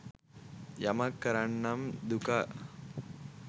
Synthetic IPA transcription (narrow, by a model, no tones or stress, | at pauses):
jɐmɐkːɐɾɐɳːɐmd̪ukɐ